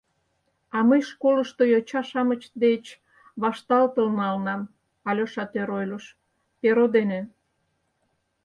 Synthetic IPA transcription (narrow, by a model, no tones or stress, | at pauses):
ɑməjʃkoləʃt̪ojot͡ɕɑʃɑmət͡ɕd̪et͡ɕ | βɑʃt̪ɑlt̪əlnɑlnɑm | ɑlʲoʃɑt̪eɾojləʃ | peɾod̪ene